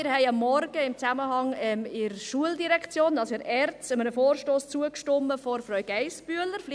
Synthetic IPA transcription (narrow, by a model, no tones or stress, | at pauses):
ɪɾhɛɪɑmːɔɾɡ̥əɪmt͡saməɦɑŋɛmɪɾʃuəldiɾɛkt͡sjoːnɑlsɪɾɛrt͡stəmənəfoːɾʃtoːst͡suəkʃtɔmːəfɔɾfɾœɥɡ̥ɛɪsb̥yələɾfl